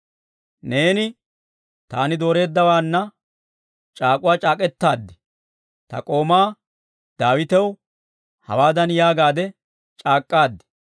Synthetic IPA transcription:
ne̞ːnɪ | t̪aːnɪd̪o̞ːɾe̞ːd̪ːɐwaːnːɐ | t͡ʃʼaːkʼʊwaːt͡ʃʼaːkʼɛt̪ːaːd̪ːɛ̥ | t̪ɐ̰kʼo̞ːmaː | d̪aːwɪt̪ɛw | hɐ̰waːd̪ɐnjaːɡaːd̪ɛ | t͡ʃʼaːkʼːaːd̪ːɛ̥

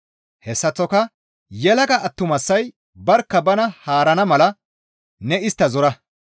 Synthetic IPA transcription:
hɛsːɐt͡sːɔkɐ | jɛlɐɡɐʔɐt̪ːʊmɐsːɐj | bɐɾkːɐbɐnɐhaːɾɐnɐmɐlɐ | nɛɪst̪ːɐzɔɾɐ

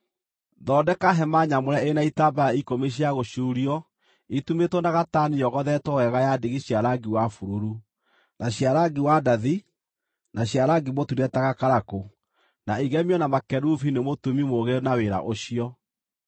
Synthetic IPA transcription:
ðɔːdɛkaɦɛmaɲamoɾɛenaitabajaikomeɕ̬iaɣoɕuːɾiɔ | itumetwɔnaɣatanijɔɣɔðɛtɔwɛɣajadeɣeɕjaɾaɡiwafuɾuɾu | naɕjaɾaɡiwadaði | naɕjaɾaɡimotudɛtaɣakaɾako | naiɣɛmiɔnamakɛɾufinemotumimoɣeɾnaweɾa̰ʔoɕiɔ

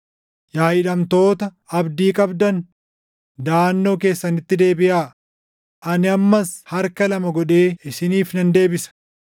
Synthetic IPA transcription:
jaːʔɪᶑɐmt̪o̞ːt̪ɐ | ɐbd̪iːkʼɐbd̪ɐn | d̪aːnːo̞ːke̞ːsːɐnɪt̪ːɪd̪e̞ːbɪʔaː | ʔɐnɪɐmːɐshɐɾkɐlɐmɐɡɔᶑe̞ːɪsɪniːfnɐnd̪e̞ːbɪsɐ̥

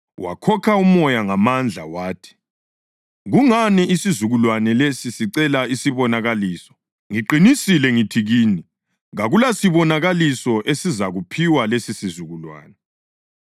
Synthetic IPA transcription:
wa̰kʰɔkʰaumɔjaŋamand͡ɮʱa̰waːtʰi̥ | ɣuŋaniisizuɣulwanɛlesisiǀɛlaisiβɔnaɣaliːsɔ̥ | ŋiǃinisilɛŋitʰiɣiːni | ɣaɣulasiβɔnaɣalisɔʔesizaɣupʰiwalesisizuɣulwa̰ːnɛ

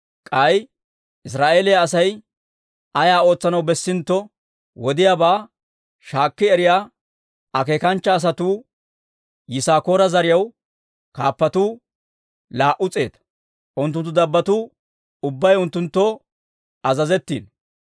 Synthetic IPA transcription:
kʼɐj | ɪs̬ɾaːʔeːlɪjaːsɐj | ʔɐjaːo̞ːt͡sːɐnɐwbɛsːɪnt̪ːɔ | wɔd̪ɪjaːbaː | ʃaːkːɪɛɾɪjaː | ɐke̞ːkɐnt͡ʃːɐːs̬ɐt̪uː | jɪsaːko̞ːɾɐzɐɾɪjɐw | kaːpːɐt̪uː | laːʔʊt͡sʼe̞̰ːt̪ | ʔʊnt̪̬ːʊnt̪ːʊd̪ɐbːɐt̪uː | ʊbːɐjʊnt̪ːʊnt̪ːɔ | ɐzɐzɛt̪ːḭːn

